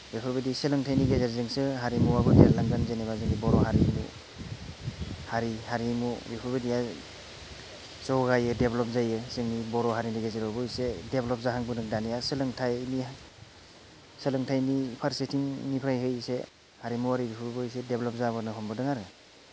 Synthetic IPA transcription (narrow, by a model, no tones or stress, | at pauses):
ɾipʰɔɾbediselɯŋtʰajniɡezeɾzɯŋsɯɦaɾimuwabɯdeaɾlaŋɡanzenebazɯŋnibɔɾɔhaɾimṵ | haɾihaɾimuɾipʰuɾbedija | sɔwɡajɯdeblɔp̚zajɯsɯŋnibɔɾɔɦaɾiniɡezeɾɔbɯjsedeblɔp̚zaɦaŋbɯdɯŋdanijasɯlɯŋtʰajni | sɯlɯŋtʰajnipʰaɾsetʰiŋnipʰɾajɦɯjse | haɾimuwaɾiɾipʰɯɾbɯjsedeblɔp̚zabɯnɯɦɔmbɯdɯŋaɾɯ